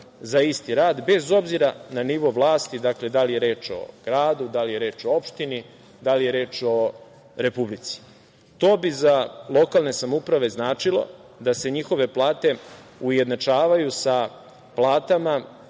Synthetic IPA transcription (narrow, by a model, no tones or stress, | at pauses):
zaist̪iɾaːd̪be̞zo̞bziɾananiʋo̞ʋlˠaːst̪id̪akle̞d̪alije̞ɾe̞ːt͡ʃo̞̰ɡ̥ɾaːd̪ud̪alije̞ɾe̞ːt͡ʃo̞o̞pʃt̪ini | d̪alije̞ɾe̞ːt͡ʃo̞ | ɾe̞publit̪si̥ | t̪o̞ːbizalˠo̞kalˠne̞samoupɾaʋe̞znaːt͡ʃilˠo̞̰d̪ase̞ɲixo̞ʋe̞plˠaːt̪e̞uje̞d̪nat͡ʃaːʋajusa | plˠaːt̪ama